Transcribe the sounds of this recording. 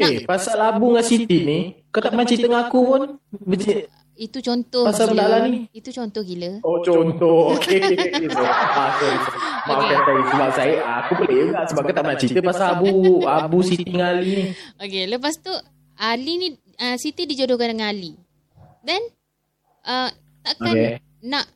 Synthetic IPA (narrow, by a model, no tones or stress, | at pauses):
kepasalabuŋasit̪iʔ̪̚nikat̪aʔmənat͡ʃit̪əŋakupʊnbət͡ʃi | it̪ut͡ʃɔnt̪ɔpasalbədalaniit̪ut͡ʃɔnt̪ɔhkiləot͡ʃɔnt̪ɔhokʰesoakaisamakɛst̪aisəbap̚saəʔakupələʔəɡaʔsəbaʔ̚kat̪aʔmnat͡ʃit̪əpasalabuabusit̪iŋaliokeləp̬ast̪u | alini | əsit̪idid͡ʒodokandəŋanali | dɛn | ʔə | t̪aʔkakne | naʔ